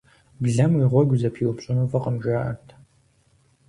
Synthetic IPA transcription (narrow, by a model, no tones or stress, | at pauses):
bɮɐmwiʁʷɔɡʷzɐpʰiːwʊpɕʼɪnuːfɐqəmʒaːʔɐ̰rtʰ